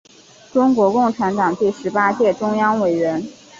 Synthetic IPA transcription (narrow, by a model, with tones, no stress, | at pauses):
ʈ͡ʂʊ˥ŋkwɔ˧˥kʊ˥˩ŋʈ͡ʂʰa˧˥nt̪ɑ˨˩ŋt̪i˥˩ʂɻ̩˧˥pa˥t͡ɕjɛ˥˩ʈ͡ʂʊ˥ŋjɑ˥ŋwe˨˩ɪɥɛ˧˥n